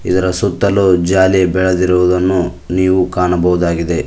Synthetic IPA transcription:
id̪ɐɾɐsut̪ːɐlud͡ʒaːlibɛɭɐd̪iɾuʋud̪ɐnːu | niːʋukaːɳɐbɐɦud̪aːɡid̪e̞

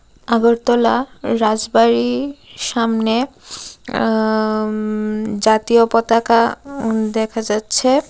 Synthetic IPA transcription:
aɡoɾt̪ɔlaɾad͡ʑbaɾiʃamne | d͡ʑat̪iopɔt̪akad̪ɛkʰad͡ʑatːɕʰe

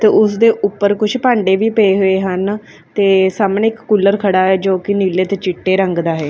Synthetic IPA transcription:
t̪eːʊsd̪eːʔʊpːəɾkʊt͡ʃʰpãːɳɖeːʋiːpəeːɦoeːɦən | t̪eːsaːmneːkːulːəɾkʰəɽaːɦɛːd͡ʒoːkɪniːleːt̪eːt͡ʃɪʈːeːɾəŋɡd̪aːɦɛː

